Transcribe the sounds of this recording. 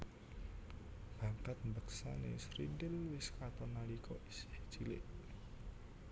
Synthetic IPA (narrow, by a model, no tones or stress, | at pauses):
b̥a̤ŋkat̪̚mbəksa̰nḛsɾindɪlwɪskat̪ɔnalikɔisɪ̥ht͡ʃilɪ̰ʔ